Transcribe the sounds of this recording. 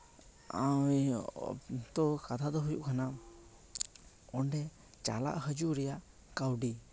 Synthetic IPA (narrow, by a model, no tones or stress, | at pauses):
a̰w | t̪ɔkat̪ʰad̪ɔɦujṵʔkʰana | ɔɳɖɛ | t͡ʃa̰la̰ʔhəd͡ʒuɾɛjaʔ | kawɖi